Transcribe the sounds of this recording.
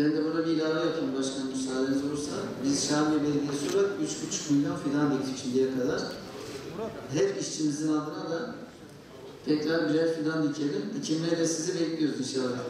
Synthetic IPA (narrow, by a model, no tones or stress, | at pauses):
bɛnd̪ɛbuɾabiːlʲaːvajapʰɯbaʃkʰanmysaːlʲenizolˠuɾsa̰bizʃaːmebɛd̪ʲisuɾakyt͡ʃbyt͡ʃʰmujd̪anfiland̪ic̪ʰit͡ʃʰind̪ijɛkʰad̪aɾ̥ | ɦɛpiʃt͡ʃʰinizinalˠd̪ɯnad̪a | t̪ʰɛcɾaɾbiɾɛjfiland̪icʰelʲind̪ɛcʰimlʲæɾlʲɛsizibɛclʲijo̞ɾuzb̪iʃelˠaɾɯ